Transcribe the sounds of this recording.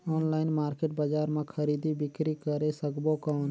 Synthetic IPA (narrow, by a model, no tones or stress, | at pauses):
ɔːnlaːɪnmaːɾkeːʈbad͡ʒaːɾmãːkʰəɾiːd̪ibɪkɾiːkəɾesəkboːkaːn